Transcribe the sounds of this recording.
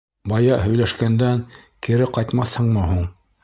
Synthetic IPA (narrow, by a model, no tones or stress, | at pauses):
bɑjɑɦɵ̆jlæʃkænd̪ænkiɾɘqɑjt̪mɑθhɤɴmɤɦuɴ